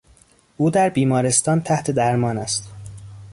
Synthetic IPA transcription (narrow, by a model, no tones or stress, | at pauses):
ʔuːd̪æɾbiːmɒːɾe̞st̪ɒːnt̪ʰæht̪ʰe̞d̪æɾmɒːnæst̪